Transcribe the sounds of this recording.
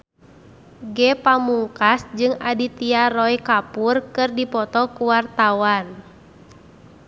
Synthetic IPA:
ɡɛpamuŋkasd͡ʒɨŋadit̪iarɔjkapurkɨrdipɔt̪ɔkuwart̪awan

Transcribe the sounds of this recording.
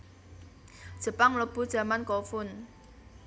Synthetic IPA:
d̥ʒ̥ə̤paŋlob̥ṳd̥ʒ̥ä̤mankɔfʊn

